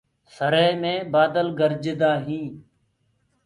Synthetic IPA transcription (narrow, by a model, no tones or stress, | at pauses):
səɾeːmẽːbaːd̪əlɡəɾd͡ʒɪd̪aːɦĩː